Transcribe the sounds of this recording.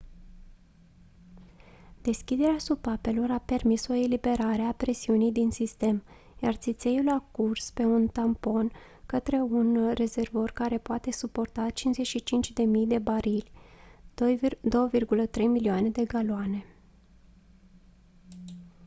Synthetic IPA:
d̪̥e̞skʲid̪e̞ɾeasupape̞lo̞ɾape̞rmiso̞e̞libe̞ɾaɾe̞apɾe̞siunijd̪insist̪e̞m | ja̰rt̪sit̪se̞julakurspe̞unt̪ampo̞n | kət̪ɾe̞unre̞ze̞rvo̞rkaɾe̞poat̪e̞supo̞rt̪at͡ʃinze̞ʃit͡ʃint͡ʃʲd̪e̞mijd̪e̞baɾilʲ | d̪o̞wəvirɡulət̪ɾe̞jmiliane̞d̪e̞ɡaloane̞

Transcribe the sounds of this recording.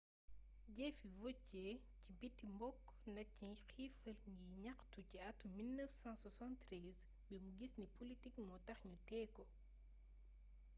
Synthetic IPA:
ɟɛfivɔt͡ʃːɛ | cibitːimbɔkːnɐcixifɐlɲiɲɐktuciɐtːumilnəfsãnsɐsãntɾɛz | bimuɡisnipolitikmɔtɐxɲutɛːkɔ

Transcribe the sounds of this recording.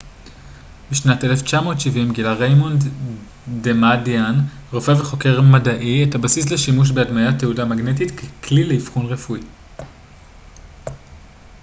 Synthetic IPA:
biʃnate̞left͡ʃamo̞ːtʃivimɡilaʁejmond | demadianʁo̞feveχo̞ke̞ʁmadaʔietabasis̬leʃimuʃ̬be̞admajatːeudamaɡnetitkekʰlileifχunʁefui

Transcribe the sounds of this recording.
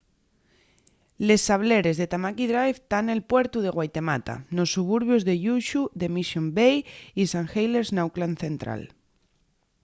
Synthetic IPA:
le̞sːaβle̞ɾe̞zðe̞t̪amakiðɾajft̪ane̞lpwe̞ɾt̪uð̞e̞ɣwajt̪e̞mat̪a̰no̞sːuβ̞uɾβjo̞zðe̞ʎuʃuðe̞misjombejisaŋxejleɾznawklanθẽ̞nt̪ɾa̰l

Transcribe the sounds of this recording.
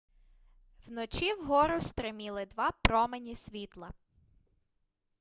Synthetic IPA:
wnɔt͡ʃiwɦɔɾʊst̪ɾɪmʲilˠɪd̪ʋɑpɾɔmenʲisʲʋʲit̪lˠɐ

